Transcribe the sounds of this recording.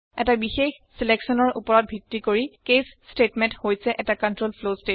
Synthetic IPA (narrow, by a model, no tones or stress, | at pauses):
ɛtabixex | sileksɔnɔɹʔṵpɔɹɔt̚bʱitɹikoɹikesstetmɛnthojsɛʔɛtakɔntɹolpʰloste